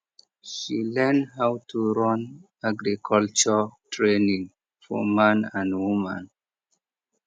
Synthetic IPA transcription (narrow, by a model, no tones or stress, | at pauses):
ʃilɛndhawtʰuɹɔ̃n | aɡɾikʰɔlt͡ʃətʰɹenĩŋ | fɔ̰mãnãndwumã̰n